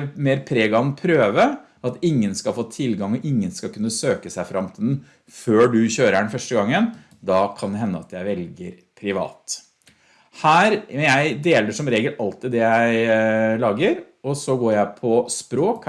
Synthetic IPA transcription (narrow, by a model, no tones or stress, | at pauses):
meːɾpʰɾeːɡɑnpʰɾøːʋə | ɑt̪ɪŋːənskɑlfoːt̪ʰɪlɡɑŋɔʔɪŋːənskɑlkʉnːəsøːkəsæɪfɾʔɑmt̪ʰɪd̪n̩ | føːɖʉçøːɾəɛɳfœʂʈəɡɑŋːən | d̪ɑkʰɑnd̪ɛɦɛnːəɑt̪jæɪʋɛlɡəɾ | pʰɾɪʋɑ̰ːt̪ | hæːɾjæɪd̪eːləʂɔmɾeːɡəlɑlt̪ɪd̪d̪ɛjæɪlɑːɡəɾ | ɔsɔɡoːɾjæɪpʰɔspɾoːk